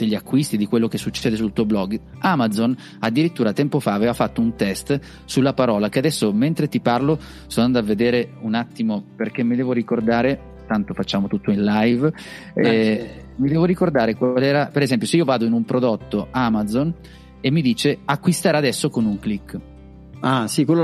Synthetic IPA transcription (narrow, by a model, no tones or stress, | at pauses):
d̪̥eʎːiakːwist̪id̪ikwelːokesːut͡ʃːɛːd̪esult̪uːoblɔɡamad̪zon | ad̪ːiɾit̪ːuːɾat̪ɛmpofaːvɛːvafat̪ːount̪ɛst̪ | sulːapaɾɔːlak̟ead̪ɛsːoment̪ɾet̪iparlo | sonand̪oavːed̪eːɾeunat̪ːimoperk̟emːid̪ɛːvoɾikord̪aːɾe | t̪ant̪ofat͡ʃːaːmot̪ut̪ːoinlajv | ɛ | mid̪ɛːvoɾikord̪aːɾekwlɛːɾapeɾezɛmp̬joseiːovaːd̪oinumpɾod̪ot̪ːoamad̪zon | emːid̪iːt͡ʃeakːwist̪aːɾead̪ɛsːokonuŋklikː | asikwelːo